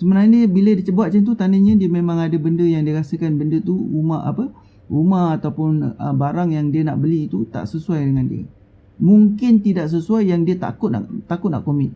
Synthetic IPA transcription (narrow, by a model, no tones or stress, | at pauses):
səmənaɲadiəbilədiət͡ʃəbaʔ̚t͡ʃant̪̬ut̪anəɲãdiəmẽmãŋadəbəndəjaŋdiəɾasəkanbəndət̪uɾumaha̰pə | ʔumahat̪awpʊnəbaɾaŋjaŋdiəna̰ʔbəliːt̪ut̪a̰ʔsəsuajdəŋãndḭə̰ | muŋkɪnt̪idaʔs̬əsuajːaŋdiət̪a̰kʊt̪̚na̰ʔt̪akʊt̪̚na̰ʔkomɪt̪̚